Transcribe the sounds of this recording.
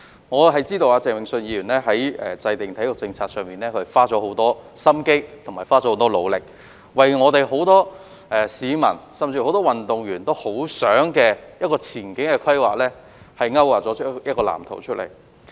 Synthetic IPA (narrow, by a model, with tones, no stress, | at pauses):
ŋɔː˨˧ɦɐ˨jt͡siː˥t̪o˧waː˧t͡sɛː˨˩ŋmɪ˨ŋsɵ˧njiː˨˧jyː˨˩nlɛː˥ɦɐ˨˥jɛː˨˩t͡sɐ˧jt̪ɪ˨ŋt̪ʰɐ˨˥jʊ˨k̚t͡sɪ˧ŋt͡sʰaː˧t̚sœː˨ŋmiː˨˩nɛː˥kʰɵ˧faː˥ɔː˨˥ɦo˨˥wt̪ɔː˥sɐ˥mke˥jt̪ʰʊ˨˩ŋmaː˨˩jfaː˥d͡ʒɔː˨˥ho˨˥wt̪ɔː˥lo˨˧wlɪ˨k̚ | wɐ˨jŋɔː˨˧t̪e˨jɦo˨˧˥wt̪ɔː˥ | ʔɛː˨siː˨˧mɐ̰˨˩nsɐ˨mt͡si˧ho˨˥wt̪ɔː˥wɐ˨nt̪ʊ˨ŋjyː˨˩nt̪o˥who˨˥wsœː˨˥ŋkɛː˧jɐ˥t̚kɔː˧t͡sʰiː˨˩nkɪ˨˥ŋkɛː˧kʰɐ˥jwaː˨˩k̚lɛː˥ | hɐ˨jŋɐ˥waː˨˩t̚t͡ʃɔː˨˥jɐ˥t̚kɔː˧la̰ː˨˩mt̪ʰo̰˨˩wt͡ʃʰɵ˥t̚lḛ˨˩j